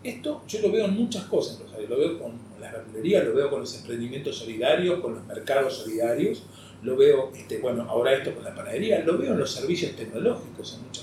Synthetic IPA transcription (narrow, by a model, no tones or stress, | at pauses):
eht̪o̞ʒ̥o̞lo̞βeoenmut͡ʃahkosasenpɾomesaɾjolo̞βeokon | laβeɾðuleɾialo̞βeo̞konlose̞mpɾend̪imjent̪osːo̞liðaɾjo̞sko̞nlozmeɾkað̞osːo̞liðaɾjos | lo̞βeoeht̪eβwe̞no̞ʔa̰oɾaeht̪oko̞nlapanaeɾialo̞βeoenloseɾβisjo̞st̪ekno̞loxikosenmut͡ʃa